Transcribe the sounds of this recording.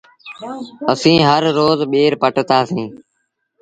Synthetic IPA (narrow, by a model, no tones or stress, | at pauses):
əsĩːɦəɾːoːzɓeːɾpəʈt̪aːsĩː